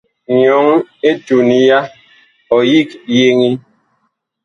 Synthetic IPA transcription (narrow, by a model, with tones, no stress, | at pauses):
ɲɔ˨˦ŋe˦tu˨ni˦ja˦ | ɔ˨ji˦kje˦ŋi˦